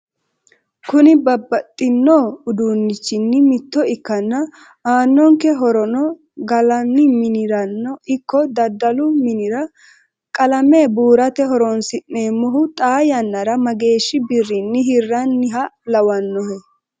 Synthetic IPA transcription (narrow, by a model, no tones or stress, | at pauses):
kʊnɪbɐbːɐt̪ʼːɪnːoːʊd̪uːnːɪt͡ʃːɪnːɪmɪt̪ːɔɪkːɐnːɐ | aːnːɔŋkɛɦɔɾɔnɔ | ɡɐlɐnːɪmɪnɪɾɐnːɔɪkːɔd̪ɐd̪ɐlʊmɪnɪɾɐ | kʼɐlɐmeːbuːɾɐt̪ɛɦɔɾɔnsɪnːeːmːɔɦʊt̪ʼaːjɐnːɐɾɐmɐɡe̞ːʃːɪbɪrːɪnːɪɦɪrːɐnːɪɦɐlɐwɐnːɔhɛ